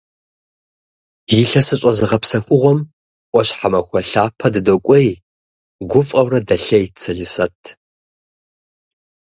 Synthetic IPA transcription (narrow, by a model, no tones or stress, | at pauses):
jiɬɐsɨɕʼɔzɨʁɐpsɐxʷʼʊʁʷɔm | ʔʷʼɔɕħamɐxʷɔɬaːpʰɐdɨdokʷʼɔj | ɡʷʊfʼɐwrɐdɐɬɐjt͡sʰɐɮɨsɐtʰ